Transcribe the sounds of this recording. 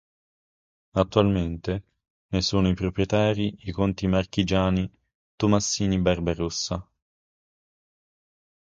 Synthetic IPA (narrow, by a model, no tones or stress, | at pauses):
at̪ːualment̪e | nesuːnoipɾopɾjet̪aːɾiikont̪imarkid͡ʒaːni | t̪umasːiːnibarbaɾusːa